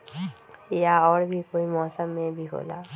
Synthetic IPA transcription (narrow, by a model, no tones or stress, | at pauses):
ejaɔɾbʱikojmɔsamebiɦo̰la̰